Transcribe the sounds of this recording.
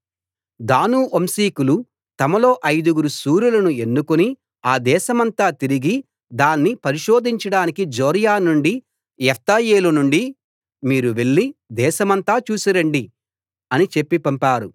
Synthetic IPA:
d̪aːnuʔomsiːkulu | t̪ɐmɐlo̞ːʔɐjd̪uɡuɾusuːɾulɐnue̞nːukuni | aːd̪ɛːʃɐmɐnt̪aːt̪iɾiɡi | d̪aːnːipɐɾiʃo̞ːd̪ʱiɲt͡ʃɐɽaːnikid͡ʒoːɾjaːnuɳɖi | jɛfʰt̪aːjeːlunuɳɖi | miːɾuʋe̞ɭːid̪ɛːʃɐmɐnt̪aːt͡ʃuːsiɾɐɳɖi | ɐnit͡ʃe̞pːipɐmpaːɾu

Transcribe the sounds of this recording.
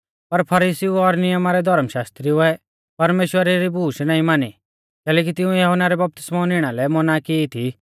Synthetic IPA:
pɐɾpʰɐɾisiuɔɾnɪjəmaɾɛd̪ʱɔɾmʃaːst̪ɾiʊɛ | pɐɾmeːʃwəɾeɾibuːʃnaːĩmaːni | kɛːlɛːk̬it̪ɪ̃ũjɐɦɔnaɾɛbɐp̚t̪ɪ̥smaʊnɪɽ̃alɛmɔnakɪit̪ʰi

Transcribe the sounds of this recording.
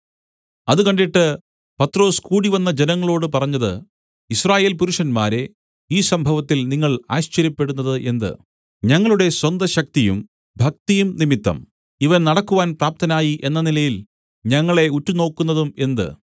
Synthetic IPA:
ɐðukɐɳɖiʈːɨ | pɐt̪ro̞ːskuːɽiʋɐnːɐd͡ʑenɐŋːɐɭoːɽɨpɐrɐɲːɐðɨ̰ | israːje̞ːlpuɾuʂɐnmaːɾe̞ | iːsɐmbʱɐʋɐt̪ːilniŋːɐɭa̰ːɕt͡ɕɐɾjɐpːe̞ɽunːɐðɨʔe̞nd̪ɨ̰ | ɲɐŋːɐɭuɽe̞swɐnd̪ɐɕɐk̚t̪ijṵm | bʱɐk̚t̪ijumnimit̪ːɐ̰m | iʋɐnnɐɽɐkːuʋaːnpraːp̚t̪ɐnaːjiʔe̞nːɐnilɐjil | ɲɐŋːɐɭe̞utːuno̞ːkːunːɐðume̞nd̪ɨ̰

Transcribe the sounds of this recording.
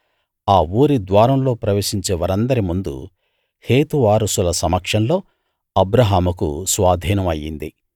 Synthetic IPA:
aːuːɾid̪ʋaːɾɐmlo̞ːpɾɐʋeːʂiɲt͡ʃeːʋɐɾɐnd̪ɐɾimund̪ṵ | he̞ːt̪uʋaːɾusulɐsɐmɐkʂɐnlo̞ː | ɐbɾɐɦaːmukṵsʋaːd̪ʱiːnɐmɐjːḭnd̪i

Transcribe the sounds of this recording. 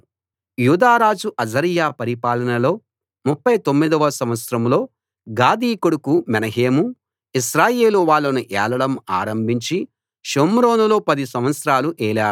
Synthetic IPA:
juːd̪aːɾaːd͡ʒuʔɐd͡ʒɐɾijaːpɐɾipaːlɐnɐlo̞ː | mupːɐjt̪omːid̪ɐʋɐsɐmʋɐt̪sɾɐmlo̞ː | ɡaːd̪iːkoɽukumɛnɐɦeːmu | iʃɾaːje̞ːluʋaːɭːɐnuʔɛ̰ːlɐɽɐma̰ːɾɐmbʱiɲt͡ʃi | ʃomɾo̞ːnulo̞ːpɐd̪isɐmʋɐt̪sɾaːluʔɛːlaːɽu

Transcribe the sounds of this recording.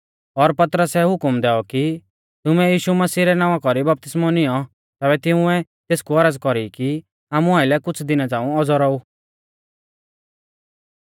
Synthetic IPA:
ɔɾpɐt̪ɾəsɛɦʊkmd̪ɛːɔki | t̪ʊmɛ̃jiːʃumɐsiːɾɛnãːʋãkɔɾibɐp̚t̪ɪsmɔnɪjɔ | t̪ɛːbɛt̪ɪ̃ũɛt̪eːskuɐɾəd͡zkɔɾiki | aːmũaːɪlɛkʊt͡sʰd̪ɪnat͡saːũɔd͡zɔɾɔu

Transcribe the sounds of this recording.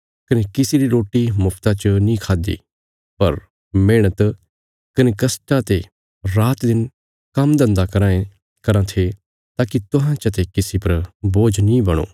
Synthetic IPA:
kɐnekɪsiɾiɾoːʈːimʊpʰt̪at͡ʃnĩkʰaːd̪ḭː | pɐɾ | meːɽ̃ət̪ | kɐnekɐsʈãt̪e | ɾaːt̪d̪ɪn | kɐmd̪ɐ̃nd̪akɐɾãːẽ | kɐɾãt̪ʰe | t̪aːkit̪ʊɦãt͡ʃɐt̪ekɪsipɐɾboːd͡ʒnĩbɐɽ̃o̰ː

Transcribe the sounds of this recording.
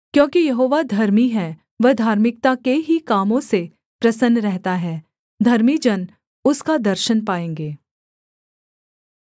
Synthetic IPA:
kjõːkijɐɦoːʋad̪ʱɐɾmiɦɛː | ʋɐd̪ʱaːɾmɪk̚t̪akeɦikaːmõse | pɾɐsənːɾɛɦt̪aɦɛː | d̪ʱɐɾmid͡ʒɐn | ʊskad̪ɐɾʃənpaːẽːŋɡeː

